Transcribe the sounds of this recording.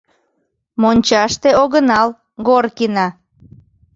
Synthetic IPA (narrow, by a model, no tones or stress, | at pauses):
monʲt͡ɕɑʃt̪eoɣənɑl | ɣorkinɑ